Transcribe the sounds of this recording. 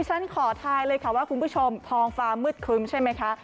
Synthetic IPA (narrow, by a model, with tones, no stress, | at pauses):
t͡ɕʰa˦˥nkʰɔː˨˩˦t̪ʰaː˧jlɤː˧jkʰa˥˩waː˥˩kʰu˧npʰuː˦˥˩t͡ɕʰo˧mt̪ʰɔː˧ŋfaː˧mɯ˦˥˩t̪̚kʰɯ˧˥mt͡ɕʰa˥˩jma˦˥jkʰa˦˥ʔ